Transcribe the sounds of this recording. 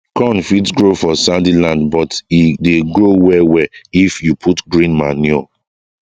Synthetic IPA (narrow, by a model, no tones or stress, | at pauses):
kɔ̃nfitɡɹofɔsãndilãndbɔtideɡɹowɛwɛifjupʰutɡɹĩnmaniɔ̰